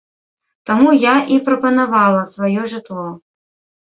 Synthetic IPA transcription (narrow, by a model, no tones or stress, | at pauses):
t̪amujaʔipɾɐpɐnavalˠɐsvajɔʐɨt̪lˠɔ